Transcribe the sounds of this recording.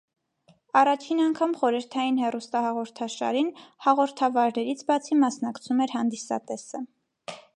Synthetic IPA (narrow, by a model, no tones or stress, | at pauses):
ɑrɑt͡ʃʰinɑŋkʰɑmχɔɾəɾt̪ʰɑjinhɛrust̪ɑhɑʁɔɾt̪ʰɑʃɑ̰ɾinhɑʁɔɾt̪ʰɑvɑɾnɛɾit͡sʰbɑt͡sʰimɑsnɑkt͡sʰumɛɾhɑnd̪isɑ̰t̪ɛsə